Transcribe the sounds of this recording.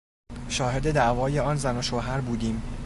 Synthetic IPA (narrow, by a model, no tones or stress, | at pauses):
ʃɒːɦe̞d̪e̞d̪æʔvɒːje̞ɒːnzæno̞ʃoɦæɾbuːd̪iːm